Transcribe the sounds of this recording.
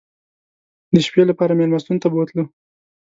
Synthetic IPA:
d̪əʃpjelapɑɾameɾmast̪unt̪abəwt̪lu

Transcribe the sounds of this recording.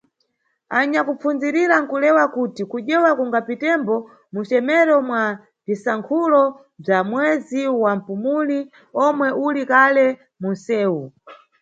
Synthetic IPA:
aɲakup͡funziɾiɾaŋkulɛwakutikuʄɛwakuŋɡapitɛmbɔ | mut͡ʃɛmɛɾɔmwa | visaŋkʰulɔ | b͡ʐamwɛziwam̩pumuni | ɔmwɛʔulikalɛ | mun̩sɛːu

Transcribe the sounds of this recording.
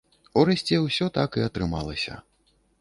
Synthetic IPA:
uɾɛsʲt͡sʲɛwsʲɔt̪akiɐt̪ɾɨma̰lˠɐsʲɐ̰

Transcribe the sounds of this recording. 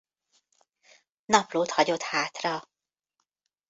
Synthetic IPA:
nɒploːt̪hɒɟo̞t̪haːt̪rɒ

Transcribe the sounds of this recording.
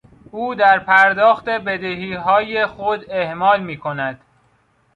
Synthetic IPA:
ʔuːd̪æɾpʰæɾd̪ɒːxt̪e̞be̞d̪eɦiːɦɒːjexod̪ehmɒːlmiːkʰonæd̪̥

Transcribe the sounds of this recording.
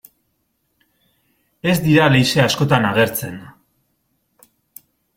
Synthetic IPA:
e̞zd̪iɾalejse̞asko̞t̪anaɣ̞e̞ɾt͡se̞n

